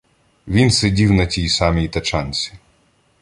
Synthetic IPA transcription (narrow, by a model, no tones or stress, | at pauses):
ʋʲinsedʲiwnɐtʲijsɑmijit̪ɐt͡ʃɑnʲt͡sʲi̥